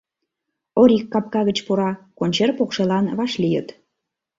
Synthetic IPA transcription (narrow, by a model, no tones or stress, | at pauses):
oɾikːɑp̚kɑɣət͡ɕpuɾɑkonʲt͡ɕerpokʃelɑnβɑʃlijə̰t̪